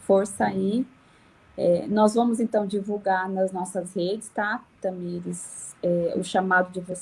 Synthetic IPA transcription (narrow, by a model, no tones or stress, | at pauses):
foɾsɐi | ɛ̰nɔzvɐ̃mʊzẽnt̪ɐ̃w̃d͡ʒivuwɡaɾnɐznɔsɐzhed͡ʒɪst̪at̪ɐ̃miɾɪzɛʊ̰ʃamad̪ʊd͡ʒɪvos